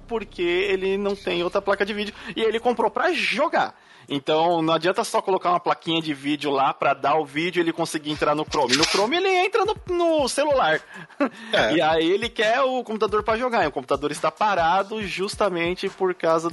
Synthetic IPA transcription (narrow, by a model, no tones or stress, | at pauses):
poɾkʰeelɪnɐ̃w̃t̪ẽj̃owt̪ɾɐplakɐd͡ʒɪvid͡ʒʊɪelɪkõmpɾopɾɐʒoɡa̰ | ḛ̃t̪ɐ̃w̃nɐ̃w̃ad͡ʒiɐ̃nt̪ɐsɔkolokaũmɐplakĩɲɐd͡ʒɪvid͡ʒɪʊlapɾɐd̪aʊvid͡ʒʊelɪkõsiɡɪẽnt̪ɾaɾnʊkɾõmɪnʊkɾõmɪelɪẽnt̪ɾɐnʊnʊselulaɾ | ɛɪaielɪkɛʊkõp̬ut̪ad̪oɾpɾɐʒoɡaiʊkõp̬ut̪ad̪oɾɪst̪apaɾad̪ʊʒust̪ɐmẽt͡ʃɪpoɾkawzɐ